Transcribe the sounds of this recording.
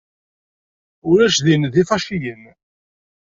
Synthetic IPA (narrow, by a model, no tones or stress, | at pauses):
ʊɾæʃðinðifɑʃijən